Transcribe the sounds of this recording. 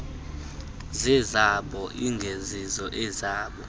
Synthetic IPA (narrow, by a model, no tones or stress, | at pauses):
zɛzaɓɔʔiŋɡʱezizɔʔɛzaːɓɔ